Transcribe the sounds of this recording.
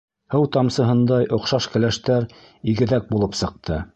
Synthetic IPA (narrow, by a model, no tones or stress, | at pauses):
hɤwt̪ɑmsɤ̆ɦɤ̆nd̪ɑjʔŏqʃɑʃkɘ̆læʃt̪æɾ | iɡɘ̆ðæk̚bulˠɤpsɤ̆q̚t̪ʰɤ